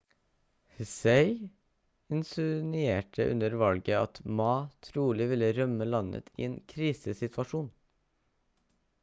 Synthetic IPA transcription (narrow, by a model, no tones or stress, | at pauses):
hseɪ | ɪnsʊnʏeːʈʰəʔʉ̰nəɾʋɑlɡəɑt̪mɑːt̪ʰɾuːlɪʋɪləɾœməlɑnə̰t̪ʰḭːeːnkʰɾiːsəsɪt̪ʰʋɑʃuːn